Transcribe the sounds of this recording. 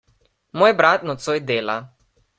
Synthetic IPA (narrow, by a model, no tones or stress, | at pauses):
moːjbɾat̪nɔt̪sojd̪eːla̰